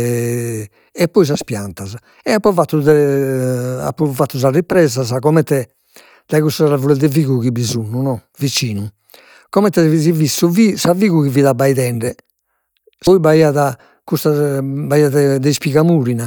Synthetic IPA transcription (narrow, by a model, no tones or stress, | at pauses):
ɛpːɔis̬aspja̰nt̪aza | ɛapːɔvat̪ːud̪ɛ | a̰pːɔfat̪ːuz̬arːipɾɛːzazakɔmɛnt̪ɛ | d̪̥aɣust̪aɛɾavulɛd̪ɛviɣuɣibizunːunɔ | vit͡ʃiːnu | kɔmɛnt̪ɛizivisːuvisaviːɣuɣiviðabːaiðɛɳɖɛ | sɔibaiaða | kust̪abaiaðɛd̪ɛispiɣamuːɾina